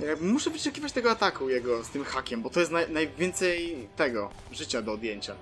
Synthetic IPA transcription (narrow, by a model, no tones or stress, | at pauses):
jabmuʂɛvɨʂɛkʲivat͡ɕt̪ɛɡɔat̪akujɛɡɔst̪ɘmxakʲɛmbɔt̪ɔjɛst̪najnajvʲjɛnt̪sɛjt̪ɛɡɔ | ʐɘt͡ɕad̪ɔːd̪ʲjeɲt͡ɕa